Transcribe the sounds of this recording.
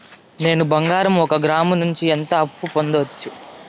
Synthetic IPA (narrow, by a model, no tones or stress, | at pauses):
ne̞ːnubɐŋɡaːɾɐmɔkɐɡɾaːmɐnuɲt͡ʃient̪ɐɐpːupo̞nd̪ɐʋɐt͡ʃːu